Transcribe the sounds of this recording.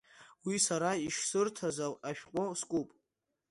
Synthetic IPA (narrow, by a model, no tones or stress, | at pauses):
wisaɾaiʃsɨrtʰazalaʃᶣqʷʼoskʼupʼ